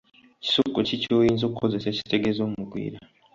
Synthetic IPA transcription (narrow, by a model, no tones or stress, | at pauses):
ci̥sukocicojiːnzoːkukʰo̞zeseci̥te̞ɡezomumuɡwḭːɾa